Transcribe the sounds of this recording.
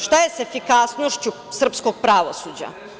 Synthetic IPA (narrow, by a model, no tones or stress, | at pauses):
ʃt̪ajesefikasno̞ʃt͡ɕu | sr̩pskoɡ̚pɾaʋosud͡ʑa̰